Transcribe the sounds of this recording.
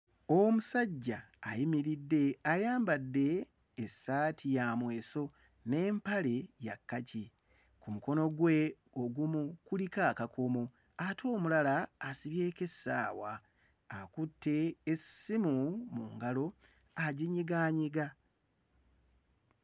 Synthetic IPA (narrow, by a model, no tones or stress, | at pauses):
omusaɟːaː | jimiɾidːe̞ajaːmbadːe̞ː | sːaːtʰijaːmwe̞ːso̞ | ne̞ːmpale̞ja̰kːaci | kumuko̞no̞ɡwe̞ | oɡumukulikaːkakʰomo̞ | atʰo̞ːmulalaːsiβje̞ːke̞sa̰ːwaː | kutːe̞ːsimumuŋɡalo̞ | aɟiɲiɡaːɲiɡa